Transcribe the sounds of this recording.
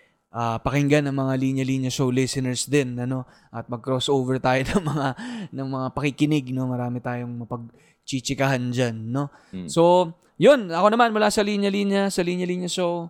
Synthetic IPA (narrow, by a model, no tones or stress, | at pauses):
ʔaːpɐkɪŋɡanɐŋmɐŋaliɲjɐliːɲjɐʃowlɪsɪnɛɹsd̪ɪnɐno̞ | ʔɐt̪̚mɐɡ̚kɾosʔoːvɛɹt̪aːjonɐŋmɐŋanɐŋmɐŋapɐkɪkɪnɪɡ̚no̞mɐɾaːmɪt̪aːjo̞ŋmɐpɐɡ̚ | t͡ʃit͡ʃɪkɐɦand͡ʒanːo̞ | so̞ | jonɐko̞nɐmanmʊlaːsɐliɲjɐliɲjɐsɐliɲjɐliːɲjɐʃow